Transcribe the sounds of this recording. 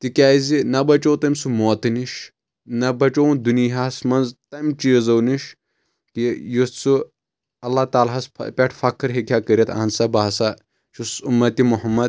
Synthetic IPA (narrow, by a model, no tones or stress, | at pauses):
t̪ikʲaːzinɐbɐt͡ʃowt̪ɐmʲsumoːt̪ɨniʃ | nɐbɐt͡ʃownd̪uniɦasmɐnzt̪ɐmʲt͡ʃiːzɐwniʃ | kijust͡su | ɐlːat̪aːlɦɐspʲɐʈʰfɐkʰɨɾɦikʲʰjakəɾʲɐt̪ʰa̰ːnsɐbasa | ʃusumːɐt̪imuɦɐmːɐd̪̚